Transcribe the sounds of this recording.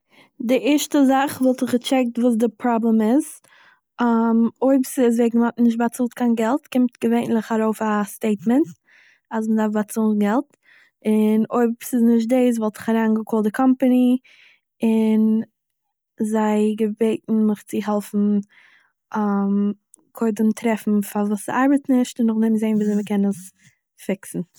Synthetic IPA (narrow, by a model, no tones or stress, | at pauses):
dɪʔɪɾʃtəzaχvɔlˠtɪχɡət͡ʃɛk̚tvuːs̬dɪpɾɔblɛmɪz | amoɪbsɪzveɪɡn̩mɔtnɪʃ̬tbat͡suːlˠtkʰaɪnɡɛlˠtkɪmtɡ̥əveɪnlˠɪχaɾoʊfasteɪtmɛnt | as̬mədaɾfbat͡sulɡɛlˠt | ɪnoɪbsɪznɪʃ̬t̚deɪs̬vɔlˠtɪ̥χaɾaːnɡəkʰɔːlˠdɪkʰɔmpani | ɪn | zaɪɡəbeɪtn̩mɪχt͡sɪɦɛlˠfn̩ | am | kʰoɪdəmtʰɾɛfn̩favuːsaɾbətnɪʃtɪnːʊχdɛmzeɪnviːzeɪməkʰɛnəs | fɪksn̩